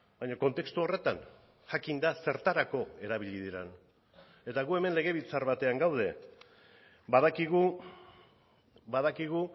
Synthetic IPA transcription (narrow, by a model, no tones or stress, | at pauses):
bajɲoko̞nt̪e̞kst̪uo̞re̞t̪an | xakind̪ase̞ɾt̪aɾako̞e̞ɾaβ̞iʎið̞iɾan | e̞t̪aɣue̞me̞nle̞ɣ̞e̞βit͡saɾβat̪e̞aŋɡawð̞e̞ | baðakiɣu | baðakiɣ̞u